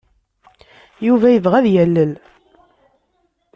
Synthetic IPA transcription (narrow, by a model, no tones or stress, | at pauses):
juvæjəvʁæðjælːəl